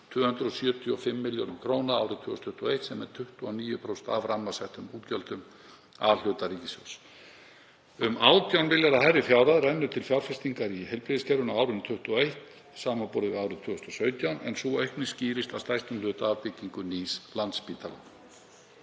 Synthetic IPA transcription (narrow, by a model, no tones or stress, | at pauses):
t̪ʰvʏːhʏnt̪ɾʏɔsjœːt̪ʰiɔfɪmːɪljo̰wnʏmkʰɾoːwnaaːwɾɪt̪ʰʏːɔst̪ʰʏht̪uɔejht̪sɛmɛɾt̪ʰʏht̪uaniːjʏpʰɾowsɛ̥nt̪avramːasɛht̪ʏmuːt̪cœlt̪ʏm | avl̥ʏːt̪ariːcɪsjo̰ws | ʏmaːwt̪jawnvɪljaɾahajɾɪfjawɾaðrɛnːʏɾ̥t̪ʰɪlfjawɾ̥fɛst̪iŋkaɾiɦɛlpɾiðɪscɛɾðʏnaaːwɾʏnt̪ʰʏht̪uɔejht̪ | saːmapɔɾðɪaːwɾʏɪðt̪ʰʏːhʏst̪ɔsœːɥt̪jawnɛ̰nsɔœɥhknɪsciːɾɪst̪ast̪ajst̪ʏmlʏːt̪aːvpɪc̪iŋkʏniːslant̪spiːt̪ʰala̰